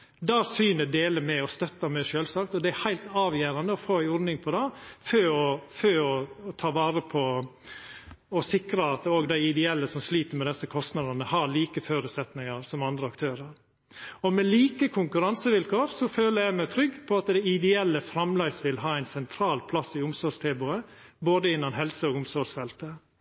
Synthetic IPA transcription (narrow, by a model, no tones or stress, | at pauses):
d̪ɑːsyːnəɖeːləmɛɔst̪œt̪ːɑmɛʃøːlsɑːkt̪ɔd̪ɛæhæɪlt̪ɑːʋjæːɾɑnd̪əɔfoːɪɔɾnɪŋpʰɔd̪ɑføːɔføːɔːt̪ʰɑːʋɑːɾəpʰɔ | ɔsɪkɾəɑt̪oːɡd̪æɪɪd̪ɛɛlːəsɔmsliːt̪əɾmɛd̪ɛsːəkʰɔst̪nɑd̪ənəhɑɭiːkəføːɾʉːt̪sɛt̪nɪŋəɾsɔmɑnd̪ɾəɑkt̪ʰøːɾəɾ | ɔmɛliːkəkʰʊŋkʉɾɑnsəʋɪlkʰoːɾsɔføːləɾjæɪmæɪt̪ʰɾʏɡːpʰɔɑt̪d̪æɪɪd̪ɛɛlːəfɾɑmlæɪsʋɪlɦɑːæɪnsɛnt̪ʰɾɑːlpʰlɑsːɪʊmsɔɾʂt̪ʰeːbʊə | boːd̪əɪnːɑnɦɛlsəɔːɡʊmsɔɾsfɛlt̪ə